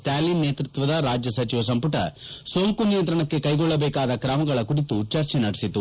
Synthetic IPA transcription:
ʈaːlinːeːt̪ɾut̪ʋɐd̪ɐɾaːd͡ʒjɐsɐt͡ʃiʋɐs̬ɐmpuʈɐ̰soːŋkunijɐnt̪ɾɐɳɐkːe̞kɐjɡɔɭːɐbɛːkaːd̪ɐkɾɐmɐɡɐɭɐkuɽit̪ut͡ʃɐɾt͡ʃenɐɽisit̪ːu

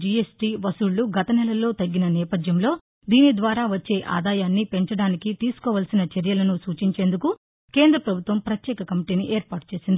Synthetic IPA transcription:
d͡ʒiesʈiːʋɐsuɭːuɡɐt̪ɐnɛlɐlo̞ːt̪ɐɡːinɐnɛːpɐd̪ʱjɐmlo̞ː | d̪iːnid̪ʋaːɾaːʋɐt͡ʃːe̞ːʔa̰ːd̪aːjaːnːipeɲt͡ʃɐɽaːnikit̪iːsu̥kɔːʋɐːlsinɐt͡ʃeɾjɐlɐnusuːt͡ʃiɲt͡ʃe̞ːnd̪uku | ke̞ːnd̪ɾɐpɾɐbʱut̪ʋɐmpɾɐt̪jɛːkɐkɐmiʈiːniʔeːɾpaːɾʈ̚t͡ʃe̞ːsind̪i

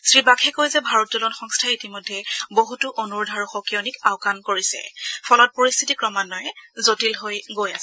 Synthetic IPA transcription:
sɹibakʰɛkojzɛbʱaɹɔt̚dɔlɔnxɔŋstʰaitimɔjdʱːɛboɦutuʔonuɹdʱaɹuxɔkionikaʊkankoɹisɛ̰pʰɔlɔt̚poɹist̪ʰitikɹɔmanːɔjzotilɦojɡojasɛ

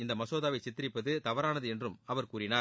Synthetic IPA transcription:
ɪnd̪ɐmɐsoːðaːʋɐɪt͡ʃːɪt̪ːɪɾɪpːɐðɯt̪ɐʋɐɾaːnɐðɯɛndrɯmɐʋɐɾkuːɾɪnaː

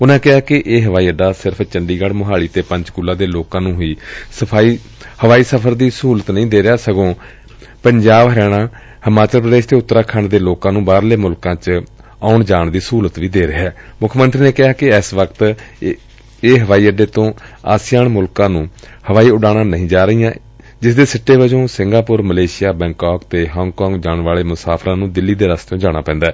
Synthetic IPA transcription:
ʊnãːkɪɦaːkɪʔeːɦəʋaːiːəɖaːsɪɾpʰt͡ʃəɳɖiːɡəɽmʊɦaːɭiːt̪eːpəɲd͡ʒkʊlːaːd̪eːloːkãːnũːɦiːsəpʰaːiː | həʋaːiːsəpʰəɾd̪iːsəɦuːlət̪nəɦĩːd̪eːɾɪaːsəɡõː | pəɲd͡ʒaːbɦəɾɛːɽ̃ãː | həmaːt͡ʃəlpɾəd̪eːʃd̪eːʊt̪ːɾaːkʰaɳd̪eːloːkãːnũːbaːɾleːmʊlkãːt͡ʃ | aːʊɳd͡ʒaːɳd̪iːsəɦuːlət̪ʋiːd̪eːɾɪɦɛːmʊkʰmə̃nt̪ɾiːneːkɪɦaːkɪɛsʋəkt̪ | eːɦəʋaːiːəɖeːt̪õːa̰ːsɪjaːmʊlkãːnũː | həʋaːiːʊɖaːɽ̃ãːnəɦĩːd͡ʒaːɾəɦiːjãː | d͡ʒɪsd̪eːsɪʈːeːʋəd͡ʒõːsɪŋɡaːpʊɾməleːʃɪjaːbɛ̃ːŋkaːkt̪eːɦɔ̃ːŋɡkɔ̃ːŋɡd͡ʒaːɳʋaːɭeːmʊsaːpʰɾãːnũːd̪ɪlːiːd̪eːɾast̪ːõːd͡ʒaːɽ̃aːpɛ̃ːnd̪aː

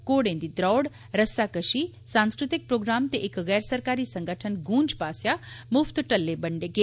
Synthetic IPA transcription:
koːɽẽːnd̪id̪ɾɔːwɽ | ɾɐsakəʃi | sãːnskɾɪt̪ik̚pɾoːɡɾaːmt̪eʔekɣɛːɾəsəɾkaːɾiːsɐ̃ŋɡəʈʰənɡũːnd͡ʒpaːsjamʊft̪ʈəlːebəɳɖeke

